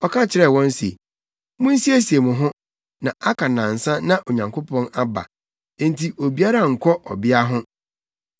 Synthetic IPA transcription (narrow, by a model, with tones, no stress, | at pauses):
ɔ˦kʰã˦t͡ɕʰɪ˨ɾɛ˦˨wɔ̃˦n˦sḛ˨ | mʊ̃˦n̩˦si˦e˦si˨e˨mʊ̃˨ɦʊ̃˦ | nã˨ʔa˦kʰa˨nã˨n̩˨sã˦nã˨ʔo˨ɲã˨ŋkʰʊ˦pʰɔ̃˦na˦bã̰˨˦ | ntʰi˨ʔo˨bi˨˦a˦ɾa˦˨ŋ̩˨kʰɔ˦ʔɔ̰˨bɪ˦a˦ɦʊ̃˦